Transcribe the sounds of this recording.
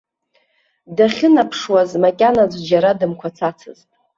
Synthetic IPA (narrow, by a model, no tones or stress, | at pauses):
daχʲɪnapʰʂwazmakʲʼanad͡zʷd͡ʒaɾadɨmkʷʰat͡sʰat͡sʰɨ̰ztʼ